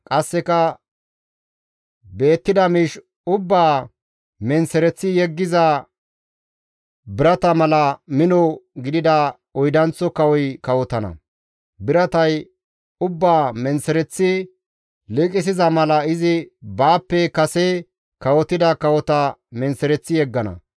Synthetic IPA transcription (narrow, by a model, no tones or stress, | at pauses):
kʼɐsːɛkɐ | be̞ːt̪ːɪd̪ɐmiːʃ | ʊbːaː | mɛnsɛɾɛt͡sːɪjɛɡːɪzɐ | bɪɾɐt̪ɐmɐlɐmɪnɔɡɪd̪ɪd̪ɐ | ɔjd̪ɐnt͡sːɔkɐwɔjkɐwɔt̪ɐnɐ̰ | bɪɾɐt̪ɐj | ʊbːaːmɛnsɛɾɛt͡sːɪ | lɪkʼɪs̬ɪzɐmɐlɐɪzɪbaːpːɛkɐsɛ | kɐwɔt̪ɪd̪ɐkɐwɔt̪ɐmɛnsɛɾɛt͡sːɪjɛɡːɐnɐ̰